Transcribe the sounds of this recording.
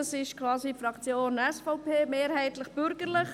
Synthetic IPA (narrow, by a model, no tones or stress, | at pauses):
ɑsɪʃkʰʋɑːsifɾɑkt͡sjoːnɛsfɔʊpʰeːmeːɾhɛɪt̪ləχb̥ʏɾɡəɾlɪχ